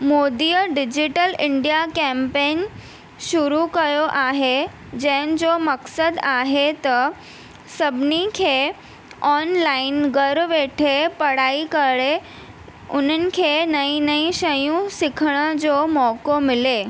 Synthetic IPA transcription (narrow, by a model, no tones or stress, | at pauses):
mod̪ijəɖid͡ʑiʈəlɪɳɖijakɛ̃mpen | ʃuɾukəjoʔaɦe | d͡ʑɛ̃nd͡zoməksəd̪aɦet̪ə | səbnikʰe | ɔnlainɡəɾʋeʈʰepəɽaikəɭe | ʊn̤ənɪ̆kʰenəinəiɕəjũsɪkʰɽ̃əd͡ʑomɔkomile